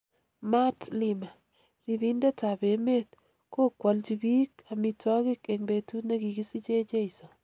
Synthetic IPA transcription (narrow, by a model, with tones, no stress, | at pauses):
ma˦tlɪma˨ | ɾi˨bi˦nda˦ta˨be˨me˦t | ko˦kwɔ˨ld͡ʒi˨bi˦ka˨mi˨twɔ˦kɪ˦ke˨ŋbe˨tu˦tna˦ɡi˨ɡi˦si˦t͡ʃe˦t͡ʃe˦ɪ˨sɔ˨